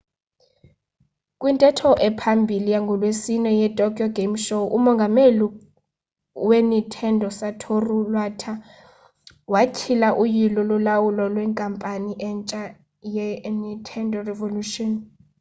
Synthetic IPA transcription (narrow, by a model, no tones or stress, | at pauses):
kʼwintʼɛtʰɔʔɛpʰambʱilijaŋɡʱɔlwesinɛjɛtʼɔkʼjɔɡʱem̩ʃɔʔumɔŋɡʱameli | wenitʰɛndʱɔsatʰorulwatʰa | wakʰilaʔujilɔlulawulɔlwɛŋkʼampʼaniʔɛnt͡ʃʼa | jɛnitʰɛndʱɔrɛvoluʃɔn